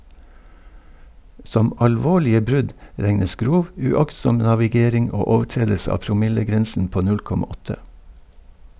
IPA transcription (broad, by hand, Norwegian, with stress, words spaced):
ˈsɔm ɑlˈʋoːɭɪə ˈbɾʉɟ ˈɾɛŋəs ˈɡɾuːʋ ʉˈɑksɔm nɑʋɪˈɡeːɾɪŋ ˈoː ˈoːʋˌʈɾeːdəlsə ˈɑː pɾʊˈmɪləˌɡɾɛnsən ˈpoː ˈnʉl ˈkɔmɑ ˈɔtə